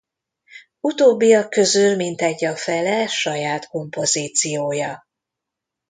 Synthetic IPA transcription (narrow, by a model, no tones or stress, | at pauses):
ut̪oːbːijɒkːø̞zylmint̪ɛɟːɒfɛlɛʃɒjaːt̪ko̞mpo̞ziːt̪sijoːjɒ